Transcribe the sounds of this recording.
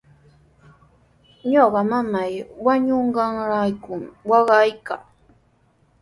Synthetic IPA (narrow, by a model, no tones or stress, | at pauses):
ɲoɢɑmamajwaɲoɴɢɑŋɾajkʊmwɑɢɑjkaː